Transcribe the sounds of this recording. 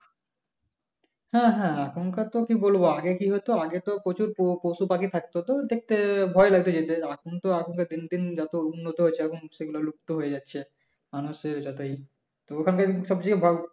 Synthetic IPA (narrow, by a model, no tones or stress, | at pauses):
hɛ̃ɦɛ̃akʰonkat̪okibolboaɡekiɦojt̪oaɡet̪opɾot͡ɕuɾpopowʃupakit̪ʰak̚t̪ot̪od̪ek̚ʰt̪ebʱɔelaɡ̚t̪od͡ʑet̪eakʰont̪oakʰonkad̪ind̪ind͡ʑat̪ounːot̪oɦoet͡ɕʰeakʰonʃeɡuloluk̚t̪oɦojed͡ʑatːɕʰe | manuʃeɾd͡ʑɔt̪oi | t̪ookʰankaʃɔb̚d͡ʑikebʱɔ